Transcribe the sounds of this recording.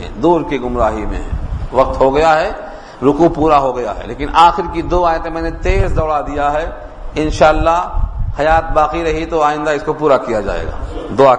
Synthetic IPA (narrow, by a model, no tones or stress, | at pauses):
ɛ̰̃d̪uːɾkiɡʊmɾaːɦimḛ̃ɦɛ̰̃ʋɐq̚t̪ɦoɡɐjaɦɛ | ɾʊkupuːɾaɦoɡɐja̰ɦɛ̰leːkɪnʔaːxɪɾkid̪oːaːjət̪ẽmɛːnet̪eːsd̪ɐːɽad̪ijaɦɛ | ɪ̃nʃaːəlːaɦhɐjaːt̪̚baːqiɾɐɦit̪oaːɪ̃nd̪aɪskopuːɾakijad͡ʒa̰ːḛːɡa̰ːd̪oːaː